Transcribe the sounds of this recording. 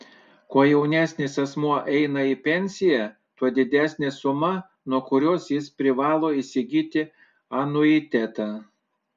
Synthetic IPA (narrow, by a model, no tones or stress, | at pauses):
kuɔjɛʊnʲæːsʲnʲeːsɐsmuɔʔɛɪnɐipʲɛnʲsʲɪjæ | t̪uɔd̪ʲɪd̪ʲæːsʲnʲesʊmɐ | nuɔkʊɾʲoːsjɪspʲɾʲɪʋɑːlˠoːisʲɪɡʲiːt̪ʲɪ | ɐnʊɪt̪ʲɛt̪ɑː